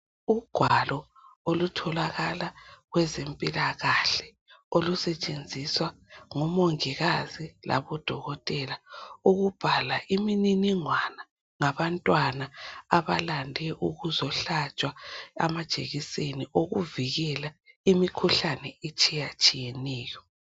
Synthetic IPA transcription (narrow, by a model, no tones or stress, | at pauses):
uɡ̥ʱwalɔolutʰɔlaɣalaɣwɛzempʼilaɣaɬɛ̥ | olusɛt͡ʃʼend͡zʱiswaŋɔmoŋiɣazila̰βɔd̥ʱɔɣɔtʼɛlauɣub̥ʱalaʔimininiŋwana | ŋaβantʼwanaaβalandʱɛʔuɣuzɔɬat͡ʃʼwaa̰mad̥ʒ̥ʱeɣiseniʔoɣuviɣɛlaimikʰuɬanɛet͡ʃʼijat͡ʃʼijɛnɛːjɔ